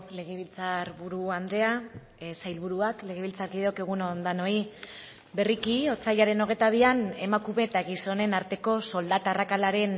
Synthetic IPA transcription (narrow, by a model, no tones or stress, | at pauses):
le̞ɣ̞eβ̞ilt͡saɾβuɾuand̪e̞a | sajlβuɾuakle̞ɣ̞eβilt͡saɾɣiðeokeɣ̞unond̪ano̞i | be̞rikio̞t͡saʎaɾe̞no̞ɣ̞e̞jt̪aβ̞iane̞makume̞t̪aɣiso̞ne̞naɾt̪e̞ko̞so̞ld̪at̪arakalaɾe̞n